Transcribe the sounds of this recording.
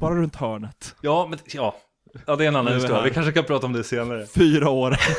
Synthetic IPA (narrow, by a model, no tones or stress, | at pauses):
b̥ɑːɾaɾɵnt̪hœːɳət̪jɑːmɛnjɑː | jɑːd̪ɛɾɛnanːansuːɾvɪkʰanʂəkanpʰɾɑːt̪aɔmd̪ɛseːnaɾəfyːɾaoːɾ